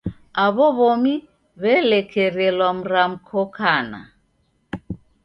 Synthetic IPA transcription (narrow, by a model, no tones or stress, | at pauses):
aβɔβɔmi | βɛlɛkʰɛɾɛlwam̩ɾam̩kʰɔkʰana̰